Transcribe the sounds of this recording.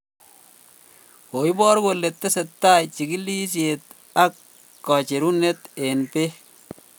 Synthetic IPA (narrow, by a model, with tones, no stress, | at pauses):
ko˨i˦bɔ˦ɾko˨le˨t̪ːe˦se˨tːa˦jt͡ʃi˨ki˦li˦s̬je˨t̪̚ | a˦kː | ɔ˨t͡ʃe˨ɾu˦ne˦te˨npe˦